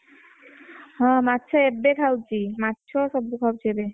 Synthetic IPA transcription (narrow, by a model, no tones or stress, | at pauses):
ɦɔ̃matːʃʰɔebekʰawt͡ʃʰimatːʃʰɔsɔbːukʰawt͡ɕʰiebe